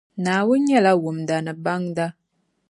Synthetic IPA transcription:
naː˨wʊ˦ɲɛ˦˨la˦wu˨mda˨nɨ˨ba˦ŋda˦

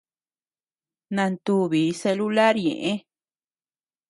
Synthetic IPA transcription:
nã˧nt̪u˧˦βi˨˦se˧lu˦la˦ɾɲḛ̃˨ʔẽ˦

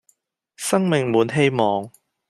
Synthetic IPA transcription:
sɐ˥ŋmɪ˨ŋmuː˨˧˥nɦe˥jmɔː˨ŋ

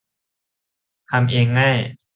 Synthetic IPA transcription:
t̪ʰa˧mʔeː˧ŋːa˥˩j

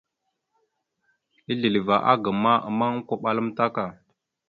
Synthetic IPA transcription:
i˦ɮi˨li˨va˨ʔa̰˦ɡə˨ma˦ə˨ma˦kʷo˨ɓa˨lə˦mta˦ka˨

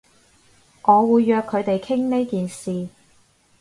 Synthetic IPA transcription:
ʔɔː˨˧wuː˨˧jːœː˧kʰːɵ˨˧ɥt̪e˨jkʰɪ˥ŋne˥jkiː˨nsiː˨

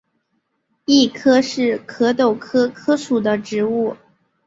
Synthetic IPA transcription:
i˥˩kʰɤ˥ʂɻ̩˥˩kʰɤ˧˥t̪o˨˩ʊkʰɤ˥kʰɤ˥ʂu˨˩d̪ə˦ʈ͡ʂɻ̩˧˥u˥˩

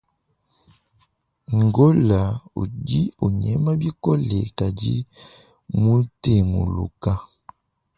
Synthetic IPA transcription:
ŋɡo˦la˨o̰˨di˦o˨ɲɛ˦ma˦bi˦kɔ˦lɛ˨ka˨di˦ | mu˦te˨mṵ˨lṵ˨ka˦

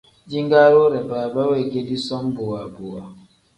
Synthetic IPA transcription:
d͡ʒi˦ŋɡa˦ɾo˦ɾɛ˨baː˨ba˦we˦˨ɡe˦di˦sɔ˦m˦bo˨wa˨bo˨wa˨

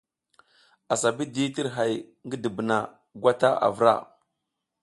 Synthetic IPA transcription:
a˨sa˨bi˦di˦ti˦ɾɦa˨j | ŋɡə˦də˨bə˨na˨ | ɡʷa˦ta˦ʔa̰˨vɾa̰˦˨

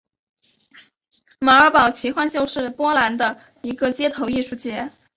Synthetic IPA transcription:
ma˨˥ə˞˧˥pɑ˨˩ʊt͡ɕʰi˧˥xwa˥˧nt͡ɕjo˥˧ʊʂɻ̩˥˩pwɔ˥la˧˥nd̪ə˧ | i˧˥ɡə˧t͡ɕjɛ˥t̪ʰo˧˥ʊi˥˧ʂu˥˩t͡ɕjɛ˧˥

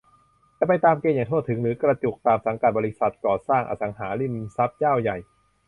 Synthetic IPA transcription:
t͡ɕaː˧˩pa˧jt̪aː˧mkeː˧njaː˨˩ŋt̪ʰu˥˩t̪ʰːɯ˩˦ŋɾɯː˩˦kɾa˧t͡ɕu˨˩k̚t̪aː˧msa˩˦ŋka˨˩t̪̚bɔ˧ɾi˦˥sa˨˩t̪̚kɔː˨˩saː˥˩ŋʔa̰˧sa˩˦ŋɦaː˩˦li˥˩msa˦˥p̚t͡ɕaː˥˩wja˨˩j

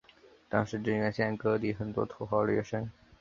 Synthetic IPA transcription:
t̪ɑ˥ŋʂɻ̩˧˥ʈ͡ʂə˥nɥɛ˧˥nɕjɛ˥˧nkɤ˥t̪i˧˥˩xə˨˩nt̪wɔ̰˥t̪ʰo˥ʊxwɑ˥˩ʊlɛ̰˥˩ʂə˥ŋ

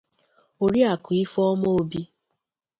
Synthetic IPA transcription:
o˨ɾi˦a˨kʊ˨i˦fɔ˦mo˦o˦bi˦

